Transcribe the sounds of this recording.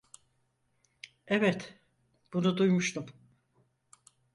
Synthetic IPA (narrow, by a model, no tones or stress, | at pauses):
ɛvɛt̪ | b̥unud̪ujmuʃt̪ʰum